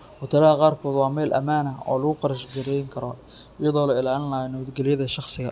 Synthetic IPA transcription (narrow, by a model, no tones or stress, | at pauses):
hʊt̪ʰɐlɐɦɐqɑːrkʰɔːd̪wɑːmɛːlʔɐ̰maːnɐɔ̰ːlɐɣʊqɑɾɐʃɡɐɾɛjŋkʰɐɾɔ | ɪjɐðɔːlɐɪlaːlɪnlɐɦɔnɐβɐd̪ɡɛlɪjɐðɐʃɑχsɪɣɐ̰